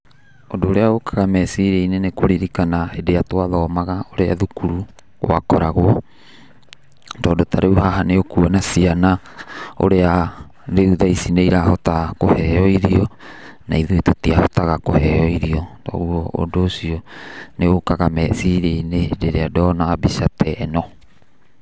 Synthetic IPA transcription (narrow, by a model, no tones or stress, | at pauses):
odoːɾeaokaɣamɛsiɾeinenekoɾiɾikanaedejatwaðɔːmaɣaoɾeaðukuɾu | ɣo̰a̰kɔɾaɣoɔ | ndɔːdotaɾeuhaɦaneokuanasiana | o̰ɾea | ɾeuðajsinejɾahotakoheojɾionaiðuitutiahotaɣakoheojɾiodo̰uoo̰dosioneokaɡamesiɾejnedeɾeadoːnaːbisatʰeʔːno